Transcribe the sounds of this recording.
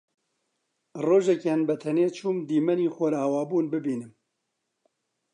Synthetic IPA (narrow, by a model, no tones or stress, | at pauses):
roːʒɛkanbɛt̪ʰɛneːt͡ʃʰuːmd̪iːmɛniːxʷɔlaːwaːbuːnbɨbiːnɨm